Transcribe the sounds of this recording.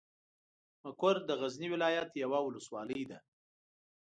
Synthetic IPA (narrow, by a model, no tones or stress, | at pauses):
makoɾd̪əɣazniwɪlɑjat̪jawawʊləswɑləjd̪a